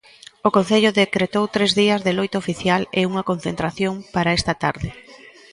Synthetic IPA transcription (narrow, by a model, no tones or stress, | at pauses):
okõn̟θeʎʊðekɾet̪owt̪ɾezðiɐzðelojt̪ofiθjaleuŋɐkon̟θent̪ɾaθjoŋpaɾaest̪ɐt̪aɾðɪ